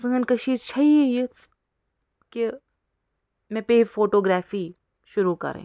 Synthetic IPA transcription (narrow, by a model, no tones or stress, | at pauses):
səŋənkɐʃiːt͡ʃʰɐiejet͡s | ke | mẽpefoːʈoːɡɾɛːfiː | ʃʊɾukɐ̰ɾḛ̃ː